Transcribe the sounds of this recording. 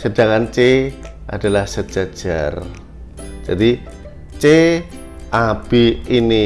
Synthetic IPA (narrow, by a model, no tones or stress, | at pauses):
səd̥aŋant͡ʃe | ʔa̰d̥a̤lahsə̥d͡ʒ̥ḁʒ̥a̰r | d͡ʒ̥adi | t͡ʃe | ʔab̥iini